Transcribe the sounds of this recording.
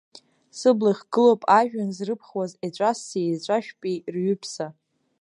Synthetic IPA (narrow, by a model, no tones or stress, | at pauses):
sɨblaχʲɡɨlowpʼaʒᶣanzrɨpʰχwazet͡ɕʷʼasizt͡ɕʷʼaʃᶣpʼirɥʏpʰsa